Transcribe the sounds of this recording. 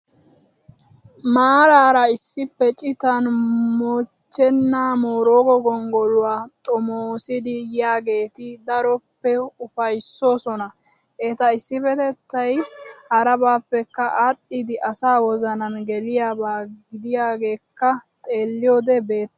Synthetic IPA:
maːɾaːɾɐɪsːɪpːɛt͡ʃʼɪt̪ɐnmoːt͡ʃːɛnːaːmoːɾoːɡɔɡɔŋɡɔlʊwaːt̪ʼɔmoːsɪd̪ɪjaːɡe̞ːt̪ɪd̪ɐɾɔpːɛʊfɐjsːo̞ːsɔnɐ | eːt̪ɐɪsːɪfɛt̪ɛt̪ːɐjhɐɾɐbaːpːɛkːɐʔaɗːɪd̪ɪʔɐsaːwɔzɐnɐnɡɛlɪjaːbaːɡɪd̪ɪjaːɡe̞ːkːɐt̪ʼe̞ːlːɪjoːd̪ɛbe̞ːt̪ː

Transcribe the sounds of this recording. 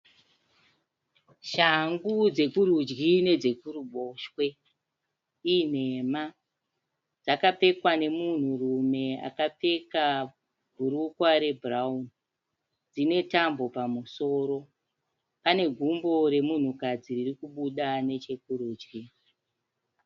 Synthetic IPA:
ʃaŋɡud͡ze̞kuɾud͡ʒɡine̞d͡ze̞kuruɓo̞ʃwe̞ | in̤e̞ma | d͡zakap͡fe̞kwane̞mun̤urume̞a̰kap͡fe̞ka | b̥ʱuɾukwaɾe̞bʱuraun | d͡zine̞tambo̞pamuso̞ːɾo̞ | pane̞ɡʱumbo̞ɾe̞mun̤ukad͡ziririkuɓuɗane̞t͡ʃe̞kuɾuːd͡ʒɡi

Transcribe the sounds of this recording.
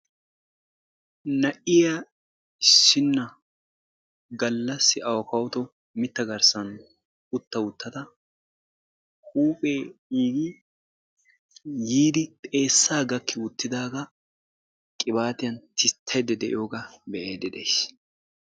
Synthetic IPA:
nɐʔɪja | ɪsːɪnːɐ | ɡɐlːɐsːɪʔɐwɔkɐwt̪ɔ | mɪt̪ːɐɡɐɾsɐn | ʊt̪ːɐwʊt̪ːɐt̪ɐ | huːpʼe̞ːiːɡɪ | jiːd̪ɪt̪ʼe̞ːsːaːɡɐkʰːɪwʊt̪ːɪd̪aːɡɐ | kʼɪbaːt̪ɪjɐnt̪ʰɪt̪ʰːɐjd̪ɛd̪ɛʔɪ̰joːɡɐbɛʔeːd̪ɪd̪ḛjs

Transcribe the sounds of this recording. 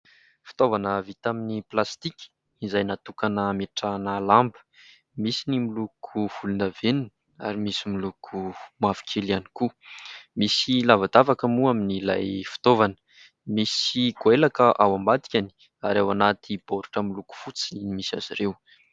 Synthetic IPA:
fi̥t̪ovanəvit̪aminiplast̪ikʲi̥ | izajnat̪ukanəmeʈ͡ʂanəlambə̥ | misinimilukʰuv̥ulunavenin | a̰ɾimisimilukʰumavi̥kʲʰelianikumisilavad̪avakəmuaminila̰jfi̥t̪ovanə̥ | misiɡoelakəʔawambat̪i̥kʲani̥ | aɾawanat̪ʰib̥oɾuʈ͡ʂəmiluku̥fut͡siinimisa̰zḭɾew

